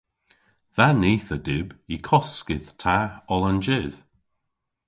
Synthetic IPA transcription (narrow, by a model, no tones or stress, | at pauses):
ðaniːθədɪbikʰɔskɪð̥tʰaɔlˠənd͡ʒɪð̥